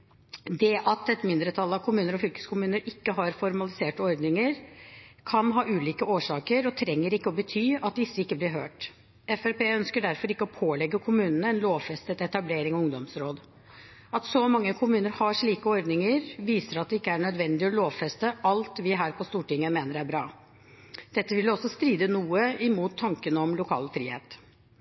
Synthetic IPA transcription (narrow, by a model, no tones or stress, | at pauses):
d̪ɛʔɑt̪ɛt̪mɪnd̪ɾət̪ʰɑlːɑʋkʰʊmʉːnəɾɔfʏlkə̥skʰʊmʉːnəɾɪkːəɦɑɾfɔɾmɑlɪseːʈəɔɾd̪nɪŋəɾkʰɑnɦɑːʔʉːliːkəoːʂɑːkəɾɔt̪ʰɾɛŋːəɾɪkːəɔbət̪ʰyːɑt̪̚d̪ɪsːəɪkːəblɪɾɦøːʈ | ɛfæɾpeːœnskəɖæɾfɔɾɪkːəɔpʰoːlɛɡːəkʰʊmʉːnənəɛnloːʋfɛst̪ət̪ɛt̪ɑbleːɾɪŋɔʊŋd̪ɔmsɾoːd̪ | ɑt̪sɔmɑŋːəkʰʊmʉːnəɾhɑʂɭiːkəɔɾd̪nɪŋəɾʋiːsəɾɑt̪̚d̪ɛɪkːəæɾɳœd̪ʋɛnd̪ɪɔloːʋfɾɛst̪əʔɑlt̪ʋɪɦæːɾpʰɔst̪uːʈɪŋːəmeːnəɾæɾbɾɑː | d̪̥ɛt̪ːəʋɪlːɔsːɔst̪ɾiːd̪ənuːəɪmuːt̪ʰːɑŋkənəɔmlʊkʰɑ̰ːlfɾḭːhḛːt̪